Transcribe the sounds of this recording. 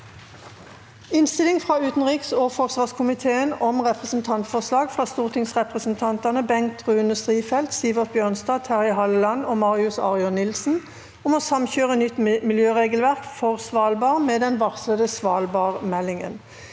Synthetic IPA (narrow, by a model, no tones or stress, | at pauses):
ɪnst̪ɪlɪŋfʁɑːʉːt̪n̩ʁiːksoːfɔʁsʋɑːʁskʰʊmɪt̪ʰeːənɔmʁɛpʁəsn̩t̪ʰɑnt̪fɔʁslɑːɡfʁɑːst̪uːʁt̪ʰɪŋsʁɛpʁəsən̩t̪ʰɑnt̪ɑnəbɛŋ̚t̪ʁʉːnəst̪ʁiːfɛlt̪siːʋəʁt̪̚bjøːʁnsd̪ɑːt̪ʰæʁɪɦɑləlɑnoːmɑːʁɪʉsɑ̰ːʁɪʊnɪlsn̩ | ɔmoːsɑmçøːʁənʏt̪ːmɪljøːʁeːɡəl̩ʋæʁkfɔʁsʋɑːlbɑːʁmeːd̪ɛnʋɑʁsləd̪əsʋɑːlbɑːʁmɛlːɪŋə̰n